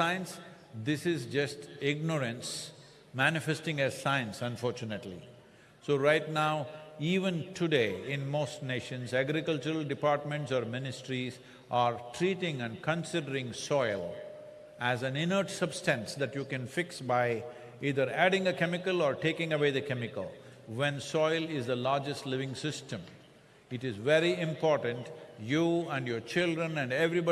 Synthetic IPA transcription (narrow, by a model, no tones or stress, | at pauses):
sãɪə̃ns | d̪ɪsɪzd͡ʒʌsʈɪɡ̚nəɾə̃ns | mænɪfesʈɪ̃ŋæzsãɪə̃nsə̃nfɔːɾt͡ʃʊnəʈlḭ | soɾaɪʈnaʊiːʋə̃nʈʰuɖeːɪ̃nmoːsʈneːʃə̃nsæɡɾɪkʌlt͡ʃəɾəlɖɪpaːɾʈ̚mə̃ɳʈsɔːɾmɪnɪsʈɾiz | ʔaːɾʈʰɾiːʈɪ̃ŋæ̃ɳɖ̚kə̃nsɪɖəɾɪ̃ŋsɔɪl | æzæ̃nɪnəɾʈsʌbsʈæ̃nsd̪æʈjukɛ̃nfɪksbaɪ | iːd̪əɾæɖɪ̃ŋəkɛmɪkəlɔːɾʈeːkɪ̃ŋəʋeːd̪əkɛmɪkəl | ʋɛ̃nsɔɪlɪzd̪əlaːɾd͡ʒəsʈlɪʋɪ̃ŋsɪsʈə̃m | ɪʈɪzʋeɾiɪ̃mpɔːɾʈə̃ɳʈjuːæ̃ɳɖjoːɾt͡ʃɪlɖɾə̃næ̃ɳɖɛʋɾibɔ